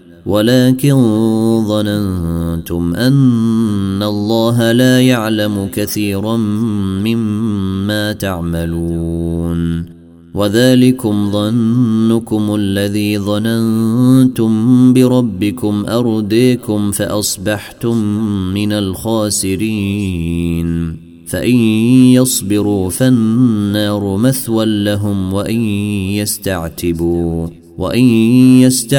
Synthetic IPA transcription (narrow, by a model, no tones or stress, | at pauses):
wʔalaːkɪnðˤɑnant̪ʊmʔanː | alˤːɑːɦalaːjaʕlamʊkaθiːɾaː | ɪmːaːt̪aʕmaluːn | waðaːlɪkʊmðˤɑnːʊkʊmʔalːaðiːðˤɑnant̪ʊmbɪɾˤɑbːɪkʊmʔɑɾˤd̪iːkʊmfaʔɑsˤbɑħt̪ʊmːɪnalxaːsɪɾiː | n | faʔɪnjɑsˤbɪɾuːfanːɑːɾˤʊmaθwalːaɦʊmwaʔɪnjast̪aʕt̪ɪbuː | wa̰ʔɪnjast̪a